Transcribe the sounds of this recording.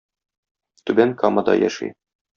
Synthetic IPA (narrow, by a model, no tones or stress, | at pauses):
t̪ʉbæŋkɑmɤd̪ɑ̰jæ̰ʃḭ